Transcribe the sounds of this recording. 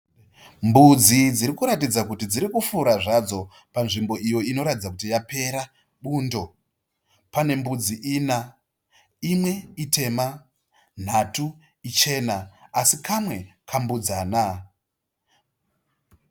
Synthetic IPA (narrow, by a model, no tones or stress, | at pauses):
mbud͡zid͡ziɾikuɾatid͡zakutid͡ziɾikufuɾaʐad͡zo̞ | panʐimbo̞ʔijo̞ino̞ɾatid͡zakutijape̞ɾa | ɓuːndo̞ | pane̞mbud͡ziʔina | imwe̞itʰe̞ma | n̤atu | it͡ʃe̞naːsikamwe̞kʰambud͡zaːna